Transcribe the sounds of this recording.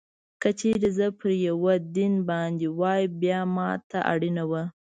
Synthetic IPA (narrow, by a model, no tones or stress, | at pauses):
kət͡ʃeɾizəpʰəɾjawad̪inbɑnd̪ewɑjbjɑmɑt̪aʔa̰ɽinawə